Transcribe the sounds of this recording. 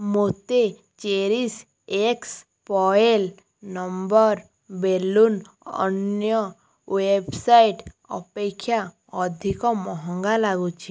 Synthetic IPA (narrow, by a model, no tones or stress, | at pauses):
mot̪e | t͡ʃeɾis | eks | pɔel | nɔmbɔɾ | belun | ɔ̰njɔ | websajʈ | ɔ̰pekʰːja | ɔd̪ʱikɔmɔɦɔŋɡalaɡut͡ʃʰi